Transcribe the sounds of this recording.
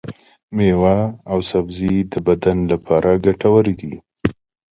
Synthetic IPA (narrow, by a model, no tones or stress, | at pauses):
mewaːwsabzid̪əbad̪anlapʰɑɾʔaɡaʈawəɾid̪i